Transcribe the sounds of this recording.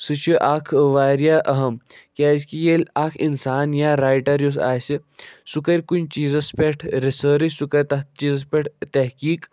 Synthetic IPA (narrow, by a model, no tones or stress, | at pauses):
sɨt͡ʃʰuʔaːkʰʋaːɾjaːʔɐɦɐmkʲaːzkijelʲaːkʰinsaːnjaːɾaːjʈɐɾjus̬a̰ːsisukɐɾʲkunt͡ʃiːzɐspʲeʈʰɾesəːɾisukɐɾʲt̪ɐt͡ʃiːzɐspʲeʈʰt̪ɐɦkiːk